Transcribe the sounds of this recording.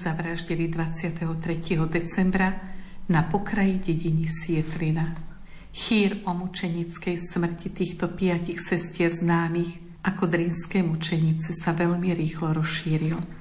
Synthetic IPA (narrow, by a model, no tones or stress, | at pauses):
zaʋɾaʒɟɛlid̪ʋat͡sɪat̪ɛɦɔt̪ɾɛciɦɔd̪ɛt͡sɛmbɾanapɔkɾajiɟɛɟiɲisɪɛt̪ɾina | xiːɾɔmut͡ʃɛɲit͡skɛjsmr̩cit̪iːxt̪ɔpɪacixsɛscɪɛɾznaːmiːx | akɔd̪ɾinskɛjmut͡ʃɛɲit͡sɛsaʋɛʎmiɾiːxlɔɾɔsʃiːɾil